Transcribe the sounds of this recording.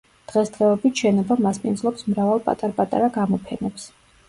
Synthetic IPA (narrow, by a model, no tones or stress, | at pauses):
d̪̥ʁɛsd̪̥ʁɛɔbit̪ʃɛnɔbamaspʼinzlˠɔpsmɾavalˠpʼa̰t̪ʼaɾpʼat̪ʼa̰ɾaɡamɔpʰɛnɛps